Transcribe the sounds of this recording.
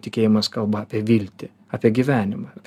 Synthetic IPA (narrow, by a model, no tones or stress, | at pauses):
t̪ʲɪkʲeːjɪmɐskɐlˠbɐːpʲɛʋʲilʲt̪ʲɪ | ɑːpʲiɛɡʲiʋʲæːnʲɪmɐpʲ